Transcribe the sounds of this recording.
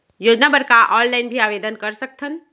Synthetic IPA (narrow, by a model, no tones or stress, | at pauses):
joːd͡ʒnabəɾkaʔɔːnlaɪnbʱiaːʋeːd̪ənkɐɾsək̚t̪ʰən